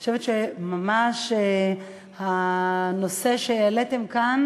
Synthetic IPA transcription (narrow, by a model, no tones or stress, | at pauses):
aʃevet̪ʃemamaʃe | hano̞seʃejalet̪e̞mkan